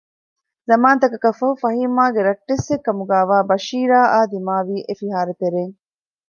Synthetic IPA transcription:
zɐmaːnt̪ɐkɐkɐfɐɦufɐɦiːmaːɡeɾɐʈːesːekːɐmuɡaːʋaːbɐʃiːɾaːʔaːd̪imaːʋiːʔefiɦaːɾet̪eɾeːŋ

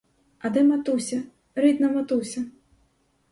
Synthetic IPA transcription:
ɐd̪ɛmat̪usʲɐ | ɾɨd̪nɐmat̪usʲɐ

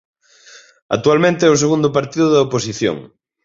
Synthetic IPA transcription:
ɐk̚t̪ualmẽnt̪eɛʊs̬eɣund̪ʊpaɾt̪iðʊðɐoposiθjo̰ŋ

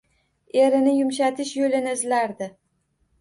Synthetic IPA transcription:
e̞ɾɪnɪjʊmʃ̬at̪ʰɪʃjolɪnɪɪzlaɾd̪ɪ

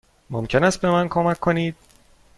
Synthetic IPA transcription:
momcʰenæst̪̚be̞mænkʰo̞mækʰːo̞niːd̪̥̚

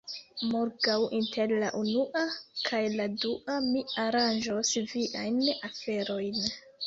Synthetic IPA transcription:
moɾɡawʔintʰe̞ɾla̰ʔunuʔakʰajladuʔamiaɾand͡ʒosviʔajnafe̞ɾo̞jn

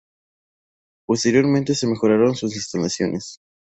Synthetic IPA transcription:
po̞st̪e̞ɾjo̞ɾmẽnt̪e̞se̞me̞xo̞ɾaɾo̞nsus̬est̪anasjo̞nʔe̞s

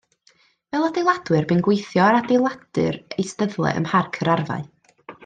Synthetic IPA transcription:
vɛlˠadejlˠad̥wɨrbɨnɡwejθjɔɾadelˠad̥ɨ̰rejstəðlˠɛ̰ʔə̰mharkʰəɾarva̰ɨ

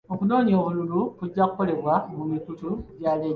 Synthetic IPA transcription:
okuno̞ːniokululukuɟːakole̞βwamumitutuɟale

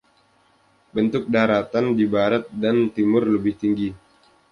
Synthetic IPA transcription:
bənt̪ʊk̚daɾat̪andibaɾat̪̚dant̪imʊrləbɪht̪iŋɡi

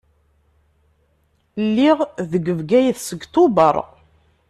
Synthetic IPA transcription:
lːiʁðəɡəvɡæjθsəɡt̪ubəɾˤ

